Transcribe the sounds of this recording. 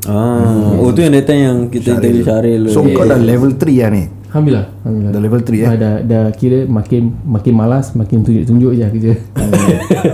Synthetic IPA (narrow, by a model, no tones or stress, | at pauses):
aot̪ujaŋdat̪aŋjaŋkit̪əkit̪əbiʃaɾɪlsoŋkadalɛvəlt̪ɾiani | hambilahambiladalɛvəlt̪ɾiadadakiɾəmakɪnmakɪnmalasmakɪnt̪uɲd͡ʒʊʔt̪uɲd͡ʒʊʔd͡ʒakid͡ʒə